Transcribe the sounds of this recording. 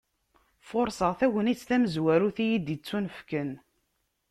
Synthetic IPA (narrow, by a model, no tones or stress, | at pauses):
fʊɾsəʁθæwənit͡sːθæməzwæɾuθijid̪it͡sːunəfkən